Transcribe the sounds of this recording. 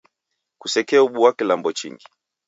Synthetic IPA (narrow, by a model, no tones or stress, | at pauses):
kusɛkɛauɓuwakɛlambɔt͡ʃḭŋɡi